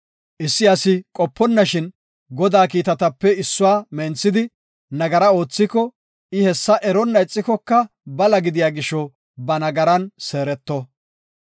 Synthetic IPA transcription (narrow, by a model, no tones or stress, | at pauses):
ʔɪsːɪɐsɪkʼɔpːɔnːɐʃɪn | ɡɔd̪aːkiːt̪ɐt̪ɐpːɛɪsːʊwaːmɛnt͡sːɪd̪ɪ | nɐɡɐɾɐo̞ːt͡sːɪkɔ | ɪhɛsːɐʔɛɾɔnːɐɪt͡sʼːɪkɔkːɐ | bɐlɐɡɪd̪ɪjaːɡɪʃːɔ | bɐnɐɡɐɾɐnseːɾɛt̪ːɔ